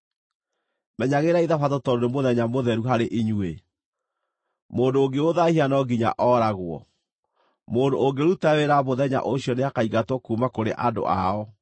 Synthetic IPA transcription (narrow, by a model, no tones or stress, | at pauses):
mɛɲaɣeɾaiðafatɔtɔɾoɾemoðɛɲamoðɛɾuɦaɾeʔiɲue | moːndoːŋɡeoðahianɔɡiɲa̰ʔɔɾaɣwɔ̰ | moːndoːŋɡeɾutaweɾaβoðɛɲa̰ʔoɕjɔneakaiɣatwɔkumakoɾeʔado̰ʔa̰ɔ